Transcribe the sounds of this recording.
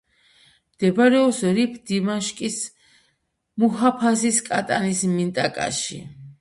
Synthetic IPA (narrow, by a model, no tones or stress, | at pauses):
md̪̥ɛbaɾɛɔsɾipʰd̪imaʃkʼis | muɦapʰasiskʼat̪ʼanismint̪ʼakʼa̰ʃḭ